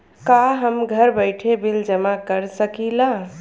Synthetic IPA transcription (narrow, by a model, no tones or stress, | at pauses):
kaɦəmɡʱəɾbəɪʈʰebild͡ʒəmakəɾsəkila